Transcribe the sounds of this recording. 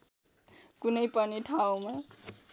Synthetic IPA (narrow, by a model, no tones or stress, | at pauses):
kunʌjpʌniʈʰawma